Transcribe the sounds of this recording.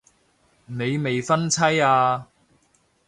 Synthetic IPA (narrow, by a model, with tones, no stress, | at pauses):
ne˨˧jme˨jfɐ˥nt͡sʰɐ˥jaː˧